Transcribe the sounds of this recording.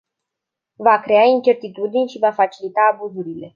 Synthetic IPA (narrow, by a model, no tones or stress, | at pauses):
vakɾe̞aint͡ʃe̞rt̪it̪ud̪inʲʃivafat͡ʃilit̪aːbuzuɾile̞